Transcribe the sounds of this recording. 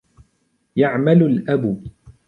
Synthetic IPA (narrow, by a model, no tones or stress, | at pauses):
jaʕmalʊlʔab